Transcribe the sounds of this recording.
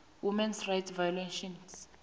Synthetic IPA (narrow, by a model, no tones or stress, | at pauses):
wimɛnsrajtʰvajɔleʃɔns